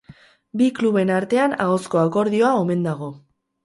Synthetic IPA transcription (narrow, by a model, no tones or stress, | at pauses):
bikluβe̞naɾt̪e̞ana̰o̞sko̞ako̞ɾð̞io̞aome̞nd̪aɣ̞o̞